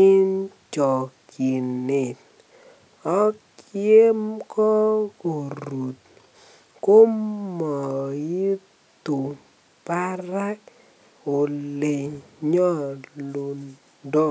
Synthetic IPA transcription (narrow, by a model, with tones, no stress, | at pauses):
ɪ˦nt͡ʃɔ˨ki˨ne˨ | ɔ˦k | je˦mkɔ˦ko˨ɾu˨t̪̚ | ko˦mːɔ˨ji˦ | t̪u˨ | pa˦ɾa˦k̚ | o˨le˨ɲɔ˦lo˨n | dɔ˦˨